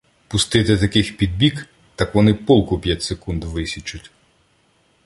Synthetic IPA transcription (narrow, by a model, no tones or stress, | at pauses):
pʊst̪ɪt̪ɪt̪ɐkɪxpʲid̪̚bʲik | t̪ɐkʋɔnɪpɔlˠkʊpʲjatʲsekund̪ʋɪsʲit͡ʃʊtʲ